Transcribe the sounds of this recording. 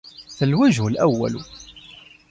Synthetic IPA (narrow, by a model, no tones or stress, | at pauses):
θəlwæʒəlʔæwːæ̰lṵ